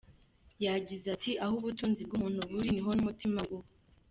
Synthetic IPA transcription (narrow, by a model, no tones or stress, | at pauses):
jaɟizatʰiʔaɦuβutuːnzib̚ɡumuːn̥uβuɾiniɦonumutimaɡo